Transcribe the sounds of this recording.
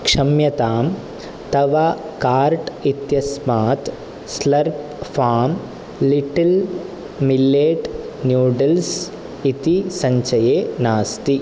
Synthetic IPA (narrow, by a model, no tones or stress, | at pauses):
kʂɐmjɐt̪aːm | t̪ɐʋa | kaːɾʈit̪jɐsmaːt̪ | slɐɾp̚ | faːm | liʈɐl | milːeːʈ | njuːɖɐls | it̪isɐɲt͡ʃɐjeːnaːst̪i